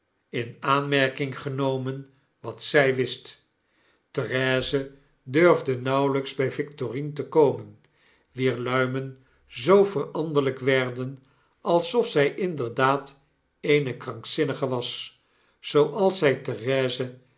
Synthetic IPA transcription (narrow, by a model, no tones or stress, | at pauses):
ɪnaːnmɛɹkɪŋχənowmən | ʋɑtsɛjʋɪst | tərɛːzə | døɹvdənɑwləkzbɛjvɪktorintəkowmən | ʋiːɹlœɥmən | zowvərɑndələkʋɛɹdən | ɑlˠsɔfsɛjʔɪndəɹdaːt | ejnəkrɑŋksɪnəχəʋɑs | zowʔɑlˠsɛjtərɛːzə